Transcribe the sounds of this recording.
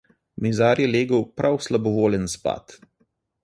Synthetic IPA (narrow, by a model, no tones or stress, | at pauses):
mizaːɾjɛleːɡəwpɾʔawslabɔʋoːljənspa̰ːt̪